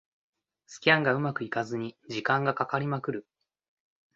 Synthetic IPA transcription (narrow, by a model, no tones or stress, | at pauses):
sɨ̥kʲiãŋɡaɯ̟makɯ̟ikazɨɲ̟id͡ʑikãŋɡakakaɾʲimakɯ̟ɾɯ̟